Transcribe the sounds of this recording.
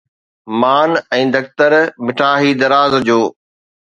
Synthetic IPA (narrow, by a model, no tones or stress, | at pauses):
maːnɛ̃ːd̪ʱɐk̚t̪əɾmɪʈʰaːɦid̪ɐɾaːzd͡ʑoː